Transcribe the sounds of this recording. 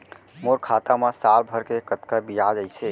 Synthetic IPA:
moɾkʰat̪amesalbʱəɾkekət̪kəbijad͡ʒəjt͡ʃʰɛ

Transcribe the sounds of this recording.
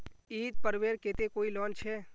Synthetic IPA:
iːt̪̚pəɾʋeːɾkeːt̪ekoːilɔːnt͡ʃʰeː

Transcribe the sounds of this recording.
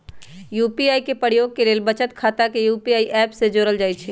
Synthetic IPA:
juːpiaːikepəɽjoːɡ̚keleːlbət͡ʃət̪kʰaːt̪akejuːpiaːiʔɛːpsed͡ʒoːɾəld͡ʒaːjt͡ʃʰɛː

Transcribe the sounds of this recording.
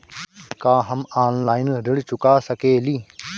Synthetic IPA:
kaːɦəmaːnlaːɪnɾɪɽt͡ʃʊkaːsəkeːliː

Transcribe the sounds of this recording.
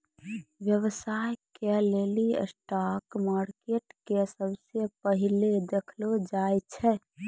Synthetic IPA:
ʋjəʋəsajkeleliə̰sʈakmaɾkeʈkesəbsepəɦiled̪ekʰlod͡ʒajt͡ʃʰɛ

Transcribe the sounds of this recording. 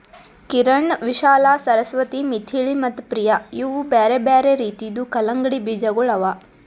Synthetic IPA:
kiɾɐɳʋiʃaːlaːsɐɾɐsʋɐt̪imit̪ʰiːɭimɐt̪ːpɾijaiʋubeːɾebeːɾeɾiːt̪ijd̪ukɐlɐŋɡɐɽibid͡ʒɐɡuɭɐʋaː

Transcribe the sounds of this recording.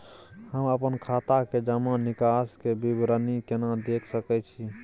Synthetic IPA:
həməpənkʰat̪aked͡ʒəmanikaskebibɾənikenad̪ekʰsəkɛt͡ʃʰi

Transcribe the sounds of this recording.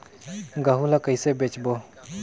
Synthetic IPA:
ɡaɦulakəiːsebet͡ʃbo

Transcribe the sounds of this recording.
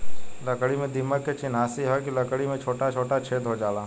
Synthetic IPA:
ləkɽimẽd̪ɪmːəkːet͡ʃɪnaːsiɦɔkiləkɽimẽt͡ʃʰoːʈat͡ʃʰoːʈat͡ʃʰeːd̪ʱɦod͡ʒaːlaː

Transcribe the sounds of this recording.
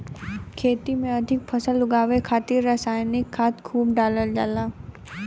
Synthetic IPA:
kʰeːt̪imẽɐd̪ʱɪk̚pʰɐsəlʊɡaːʋekʰaːt̪ɪɾːaːsaːjnɪkʰːaːt̪kʰuːb̚ɖaːləld͡ʒaːlaː

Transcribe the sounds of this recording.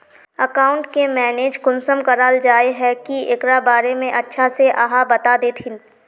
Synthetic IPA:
əkaːʊ̃ɳʈkemɛːneːd͡ʒkʊnsəmkɐɾaːld͡ʒaːeɦɛkiḛkɾabaːɾemẽʔɐtːʃʰaseʔa̰ɦabɐt̪ad̪eːt̪ʰɦɪn

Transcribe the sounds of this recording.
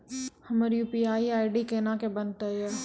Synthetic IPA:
hɐməɾjuːpiaːiaːɪɖikeːnakebɐnt̪əɛː

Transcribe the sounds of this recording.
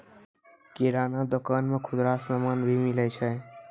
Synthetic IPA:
kiɾanad̪okanmekʰʊd̪ɾasəmanbʱimilət͡ʃʰɛ

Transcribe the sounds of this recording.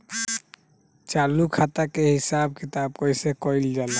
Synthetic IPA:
t͡ʃalukʰat̪akeɦisab̚kʰit̪ab̚kɔjsekɔjld͡ʒala

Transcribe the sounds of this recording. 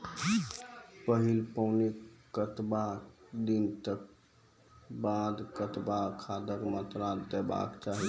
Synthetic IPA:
pəɦilpəʊnikət̪bad̪int̪ək̚ | bad̪kət̪bakʰad̪əkmət̪ɾad̪ɛba̰kt͡ʃaɦi

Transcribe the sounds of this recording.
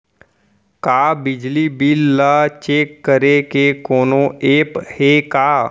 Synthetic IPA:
kaːbɪd͡ʒlibɪlːat͡ʃeːkːəɾekekoːnõeːphekaː

